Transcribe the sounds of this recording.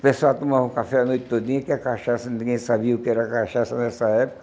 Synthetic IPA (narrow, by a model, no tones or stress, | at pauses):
pesat̪omavũkafɛanojt̪t̪od̪ĩɲɐkɪakaʃasɐnĩɡẽj̃sabiɐʊkɪɛɾɐakaʃasɐnɛsɐɛpʊkɐ